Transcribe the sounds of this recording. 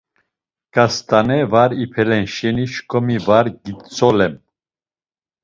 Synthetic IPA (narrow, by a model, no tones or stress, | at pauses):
ɡ̥ast̪ʰʼanɛvaɾipʰɛlɛnʃɛniʃkʰʼɔmivaɾɡit̪t͡sʰʼɔlɛm